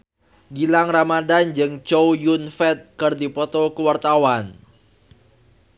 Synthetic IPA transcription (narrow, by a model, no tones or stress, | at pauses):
ɡilaŋramadand͡ʒɨŋt͡ʃowjunfɛt̪̚kərdipɔt̪ɔkəwart̪awan